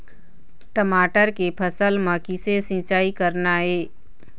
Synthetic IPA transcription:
ʈəmaːʈəɾkepʰəsəlmãkɪsesɪ̃t͡ʃaːikəɾnaɦeː

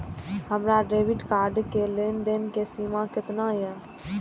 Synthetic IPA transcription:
ɦəmɾaɖeːʋɪɖkaːɾɖkeleːnd̪enkesiːmãkɪt̪najɛː

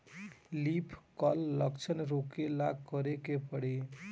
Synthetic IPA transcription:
lipʰkəlːəkt͡ʃʰənɾokelakəɾekepəɽe

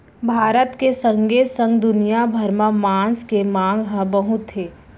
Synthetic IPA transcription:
bʱaːɾət̪kesə̃ŋɡesə̃ŋɡd̪ʊnijabʱəɾmamãːnskemãːŋɡɦə̃bəɦʊt̪ɦeː

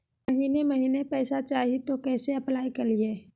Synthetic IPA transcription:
mɐɦiːnemɐɦiːnepɛːsat͡ʃaːɦit̪okɛːseɐplaːikɐlieː

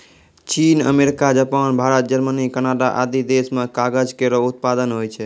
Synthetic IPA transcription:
t͡ʃinə̰meɾikad͡ʒapanbʱaɾət̪̚d͡ʒəɾmənikənaɖaʔa̰d̪id̪esmekaɡəd͡ʒkeɾəut̪̚pad̪ənɦojt͡ʃʰɛ

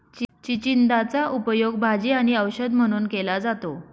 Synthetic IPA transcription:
t͡ɕt͡ɕit͡ɕind̪at͡saʔupəjoɡbʱad͡ʑiːaɽ̃iəwɕəd̪m̤əɽ̃uːnkelad͡zat̪o

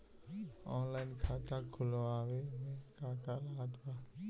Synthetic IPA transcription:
ɔːnlaɪnkʰat̪aɡʱʊlaːwemẽkaːkalat̪ba

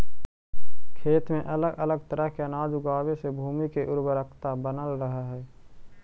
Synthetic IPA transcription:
kʰeːt̪mẽʔələɡʔələɡ̚t̪əɾəɦkeənaːd͡ʒʊɡaːwesebʱuːmikeʔʊɾbəɾəkʰt̪abənəlɾəɦaɦɛː

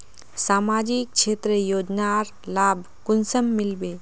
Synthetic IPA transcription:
saːmaːd͡ʒik̚ʃʰeːt̪ɾəjoːd͡ʒnaɾ | laːbʱ | kʊnsəmːɪlbeː

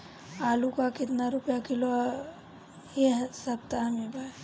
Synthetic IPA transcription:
aːlukakɪt̪naɾʊpjakɪloa | esɐb̚t̪amebʱaː

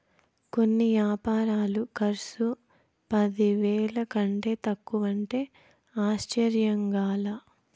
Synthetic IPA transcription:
ko̞nːiʋjaːpaːɾaːlukɐɾsu | pɐd̪iʋɛːɭɐkɐɳʈe̞ːt̪ɐkːuʋɐɳʈe̞ː | aːʃt͡ʃɐɾjɐŋɡaːlaː

